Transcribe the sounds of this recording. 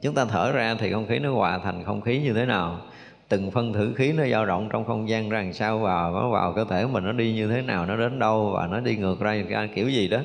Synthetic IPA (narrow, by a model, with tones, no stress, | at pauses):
t͡ɕʊ˨˦ŋ͡mt̪aː˧t̪ʰəː˧˩zaː˧t̪ʰi˨˩xə˧wŋ͡mxi˨˦nɔ˨˦kwaː˧˨˩t̪ʰa˨˩jŋ̟xə˧wŋ͡mxi˨˦ɲɨ˧t̪ʰe˨˦naː˨˩w | t̪ɨ˨˩ŋfə˧nt̪ʰɨ̰˧˩xi˨˦nɔ˨˦zaː˧ɗə̰˧˨wŋ͡mt͡ɕɔ˧wŋ͡mxə˧wŋ͡mzaː˧ŋza˨˩ŋsaː˧wvaː˨˩wnɔ̰˨˦va̰ː˨˩wkəː˧t̪ʰe˧˩˦mï̟˨˩nɔ˨˦ɗi˧ɲɨ˧t̪ʰe˨˦naː˨˩wnɔ˨˦ɗe˨˦nɗə˧wva̰ː˨˩nɔ˨˦ɗi˧ŋɨ˨˩ək̚zaː˧˩˧ki˧˩əwzi˨˩ɗɔ˨˦